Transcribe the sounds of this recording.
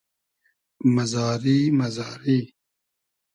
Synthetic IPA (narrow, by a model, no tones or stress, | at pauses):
mazɑːɾimɐzɑːɾi